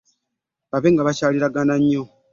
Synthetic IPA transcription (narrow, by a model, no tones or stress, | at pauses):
βaβeːŋɡaβacaːliɾaɡanaɲːo